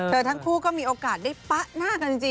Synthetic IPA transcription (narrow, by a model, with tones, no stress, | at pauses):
t̪ʰɤː˧t̪ʰa˦˥ŋkʰuː˥˩kɔː˥˩miː˧ʔoː˧kaː˨˩t̪̚daː˥˩jpa˦˥ʔnaː˥˩ka˧nt͡ɕi˧ŋt͡ɕi˧